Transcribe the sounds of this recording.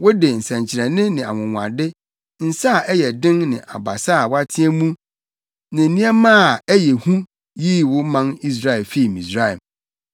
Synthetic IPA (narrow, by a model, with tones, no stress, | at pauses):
wʊ˦dɪ˨n̩˨sã˨ɲ˨t͡ɕʰɪ˨ɾɛ˨nɪ̃˦nɪ̃˨a˨wʊ̃˨ŋʷ˨ã̰˨dɪ˦ | n̩˨sa˦˨ʔɛ˦jɛ˨dɪ̃˦nnɪ̰̃˨ʔa̰˨ba̰˨sa˦˨wa˦tʰɪ̃˦ɛ˦mũ˦ | nã˨nĩ˦ɛ˦mãː˦˨æ˦jɛ˨hũ˦ | jiː˦wʊ˦mã˦ni˦s̬ɾa˦ɛ˨lfi˦˨mĩ˨sɾa˦ɛ˨